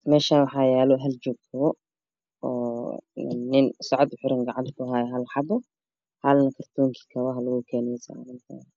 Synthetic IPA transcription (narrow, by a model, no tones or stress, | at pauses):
mɛːʃaːnwɑħɑːjɛːlɔɦɐlt͡ʃɔːɡ̚k̪ʰɐβɔ | ɔ̰ː | ɪnsɑʕɔd̪ʊħʊɾɪŋɡɑʕɑnt̪ʰʊɦaːjɛɦɐlħɑbɔ | hɐlnɐkʰɐrt̪ʰuːŋkʰi̥kʰɐwɐɦɐlɐɣukʰɛːnɛjsa̰ɾɪnt̪ʰa̰ː